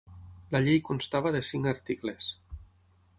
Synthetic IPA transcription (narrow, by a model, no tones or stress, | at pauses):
laʎejkunst̪aβaðesiŋaɾt̪ikles